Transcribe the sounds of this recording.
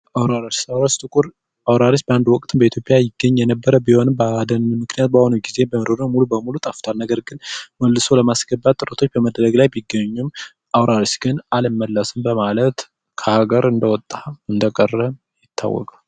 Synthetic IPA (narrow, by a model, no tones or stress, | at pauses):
awɾaɾat͡ʃawɾast̪ʼɨkʼuɾ | awɾaɾisbəand̪wɔkʼt̪ʰɨmbəit̪jo̞pʼjajɪɡːəɲːjɛnəbːəɾəbiho̞nɨmbəad̪ənɨnmɨknijat̪̚bəhonuɡize̞bəmɾoɾnəwmulubəmulut̪ʼaft̪ʰalnəɡəɾɡɨnməlːɨso̞ləmasɡəbːat̪t̪ʼːɨɾət̪ʰo̞t͡ʃːbəməd̪ɾəɡlajbɪɡːəɲːum | ʔawɾaɾisɡ̥ɨnalɨmːəlːəsɨmbəmalət̪ | kʰəhaɡəɾɨnd̪əwɔt̪ʼːaɨnd̪əkʼərːəm | jɪt̪ʰːa̰wːɔ̰kʼal